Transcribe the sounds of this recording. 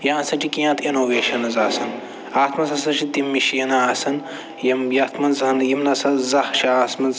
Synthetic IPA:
jãːsɐʈikijãːt̪ʰinoːʋeːʃɐnɐzaːsɐn | aːt̪ʰmɐnsɐsɐʃid̪imːiʃenaaːsɐn | jɐmjɐt̪ʰmɐnzɐɐnjimnɐsɐzɐhʃiaːsmɐnz

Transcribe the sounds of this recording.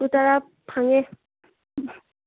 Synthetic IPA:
ut̪aɾa | pʰaŋe

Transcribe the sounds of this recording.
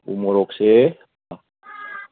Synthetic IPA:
ṵmoɾokse

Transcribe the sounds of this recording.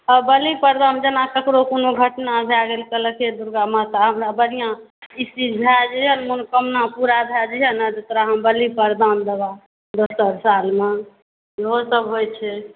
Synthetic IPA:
əbəlipəɾd̪amd͡ʒənakəkɾokonoɡʱəʈnabʱjaɡelkələked̪uɾɡamət̪aɦəmɾabəɾijãisid͡ʒbʱjad͡ʒəɦənmonkəmnapuɾabʱjad͡ʒɦənəd̪et̪ɾaɦəmbəlipəɾd̪and̪eba | d̪osəɾsalme | jeɦosəbɦojt͡ʃʰɛ

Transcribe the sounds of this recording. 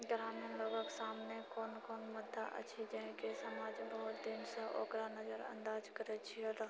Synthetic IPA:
ɡɾaːmənloɡəksaːmnekɔːnkɔːnmʊd̪ʱːaʔə̰t͡ʃʰid͡ʒəɦẽkesəmaːd͡ʒbəɦʊt̪d̪inseʔɔ̰ːkɾanəd͡ʒəɾə̰̃nd̪aːd͡ʒkəɾet͡ʃʰiod̪a

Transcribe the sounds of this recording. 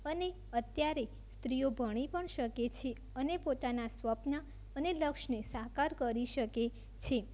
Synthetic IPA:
əne | ət̪jaɾe | st̪ɾijobʱəɽ̃ipəɳʃəket͡ʃʰe | ənepot̪anasʋəpna | əneləkʃnesakaɾkəɾiʃəke | t͡ʃʰe

